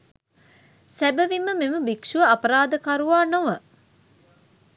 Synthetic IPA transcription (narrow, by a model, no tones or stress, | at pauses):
sæbɐʋimːəmeməbikʂuʋəɐpɐɾaːd̪əkaɾuʋaːnoʋə